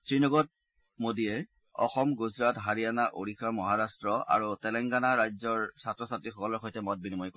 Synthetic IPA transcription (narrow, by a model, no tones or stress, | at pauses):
sɹinɔɡɔt̚ | modijɛ | ɔ̰xɔmɡuzɹatɦaɹijanaʔo̰ɹixʰamɔɦaɹastɹɔa̰ɹutɛlɛŋɡanaɹajzɔɹsatɹɔsatɹixɔkɔlɔɹxojtɛmɔt̚binimɔjk